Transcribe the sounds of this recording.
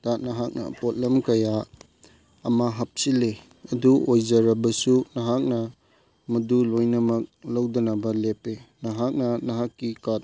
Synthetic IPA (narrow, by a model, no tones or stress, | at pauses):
tat̚nɐɦak̚nɐ̰pot̚lɐmkɐja | ɐmaɦɐp̚sile | ɐduʔojzɐɾɐbɐsunɐɦak̚nɐ | mɐdulojnɐmɐk̚lɐwdɐnɐbɐlepenɐɦak̚nɐnɐɦakːikat̚